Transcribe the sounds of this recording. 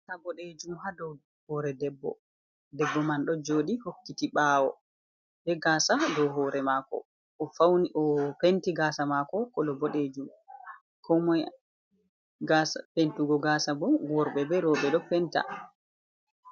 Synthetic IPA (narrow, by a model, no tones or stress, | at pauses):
tabɔɗed͡ʒumɦadɔw | hɔːɾɛdɛbːɔ̰ | dɛbːɔmanɗɔd͡ʒoːɗihokːitiɓaːwɔ̰ | bɛɡaːsadɔwɦɔːɾɛmakɔ̰ | ʔːfawniʔɔpentiɡaːsamakɔkɔlɔbɔɗed͡ʒum | kʰɔmɔ | ɡasapentuɡɔɡasabɔwɔɾɓɛbɛɾɔɓɛɗɔpɛnta̰